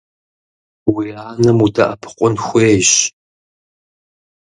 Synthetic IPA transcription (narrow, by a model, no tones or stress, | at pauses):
wiaːnɐmuda̰ʔɐpʰqʷʼʊnxʷeːɕ